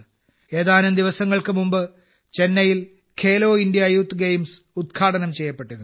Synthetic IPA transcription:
e̞ːðaːnumd̪iʋɐsɐŋːɐɭkɨmumbɨ | t͡ɕe̞nːɐjil | kʰeːlo̞ːindjɐːjuːt̪ːɨɡejms | ud̪̚kʰaːɽɐnɐmt͡ɕe̞jːɐpːe̞ʈːuɾɐ

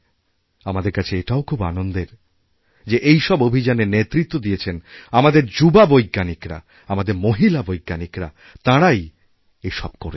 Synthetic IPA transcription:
amad̪eɾkat͡ɕʰeeʈaokʰuba̰nond̪eɾ | d͡ʑeʔejʃɔbobʱid͡ʑanenet̪ːɾit̪ːod̪ijet͡ɕʰenamad̪eɾd͡ʑubabojɡːanikɾa̰ | amad̪eɾmoɦilabojɡːanikɾa̰ | t̪aɽaj | eʃɔb̚koɾe

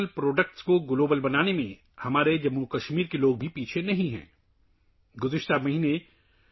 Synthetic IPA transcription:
lpɾoːɖək̚ʈskoɡloːbəlbɐnaːnemẽ | hɐmaːɾed͡ʒɐmːukɐʃmiːɾkeloːɡ̚bʱipiːt͡ʃʰenɐɦĩɦɛ̰̃ː | ɡʊzɪʃt̪amɐɦiːne

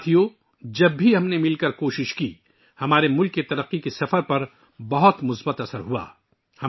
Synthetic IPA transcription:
t̪ʰijo | d͡ʒɐbːʱiɦɐmnemɪlkɐɾkoːʃɪʃki | hɐmaːɾemʊlkːet̪ɐɾəqːikisɐfəɾpɐɾ | bɐɦʊt̪mʊsbət̪ɐsəɾɦua̰ː | hɐ

